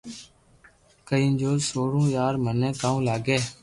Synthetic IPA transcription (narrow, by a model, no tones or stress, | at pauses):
kəiːnd͡ʒoːlsoːɽũːjaːɾmənẽːk̪aːũːlaːɡeː